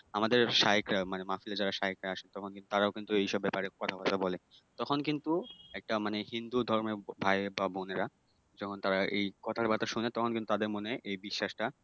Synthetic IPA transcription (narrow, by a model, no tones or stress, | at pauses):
amad̪eɾʃaɦikɾamanemafilad͡ʑaɾaʃaekɾaaʃent̪ɔkʰonkint̪u̥t̪aɾaokint̪uejʃɔbːɛpaɾekɔt̪ʰabat̪ʰabɔlet̪ɔkʰonkint̪uɛk̚ʈamanehind̪ud̪ʱɔɾmebʱaebaboneɾa | d͡ʑɔkʰont̪aɾaʔejkɔt̪ʰaɾbat̪aʃunet̪ɔkʰonkint̪ut̪ad̪eɾmoneʔejbiʃːaʃʈa